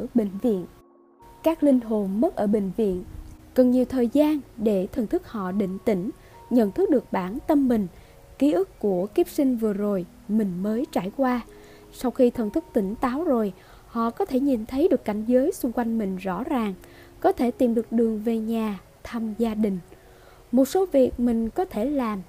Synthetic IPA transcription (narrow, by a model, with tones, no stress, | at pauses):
ɓḭ̈˧˨ŋ̟vḭ˧˨ən | kaː˦˥k̚lï˧ŋ̟ɦo˨˩nmə˦˥t̚ʔəː˧˩ɓï˧˨ŋ̟vḭ˧˨ənkə˨˩nɲi˨˩əwt̪ʰəː˨˩jzaː˧nɗe˧˩t̪ʰə˨˩nt̪ʰɨ˦˥k̚hɔ̰˧˨ɗḭ̈˧˨ŋ̟t̪ï˧˩ŋ̟ | ɲə̰˧˨nt̪ʰɨ˦˥k̚ɗɨ˨˩ək̚ɓaː˧˩nt̪ə˧mːï˨˩ŋ̟ | ki˨˦ʔɨ˦˥kːu˧˩əki˦˥p̚sï˧ŋ̟vɨ˨˩əzo˨˩j | mï˨˩ŋ̟məː˨˦jt͡ɕaː˧˩jkwaː˧ | sa˧wxi˧t̪ʰə˨˩nt̪ʰɨ˦˥k̚t̪ï˧˩ŋ̟t̪aː˨˦wzo˨˩j | hɔ̰˧˨kɔ˨˦t̪ʰe˧˩ɲi˨˩nt̪ʰə˨˦jɗɨ˨˩əkːa˧˩jŋ̟zəː˨˦jsʊ˧ŋ͡mkwa˧jŋ̟mï˨˩ŋ̟zɔ̰˧˥zaː˨˩ŋ | kɔ˨˦t̪ʰe˧˩t̪i˨˩mɗɨ˨˩ək̚ɗɨ˨˩əŋve˨˩ɲaː˨˩ | t̪ʰaː˧mzaː˧ɗï˨˩ŋ̟ | mo˨˩t̚so˨˦vi˨˩ək̚mï˨˩ŋ̟kɔ˨˦t̪ʰe˧˩laː˨˩m